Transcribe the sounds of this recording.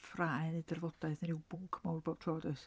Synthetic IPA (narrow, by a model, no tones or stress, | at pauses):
fraːjnɨdɛrvɔd̥aɨθnnɪwb̥ʊŋkʰmawrb̥oːb̥̚tʰroːdəs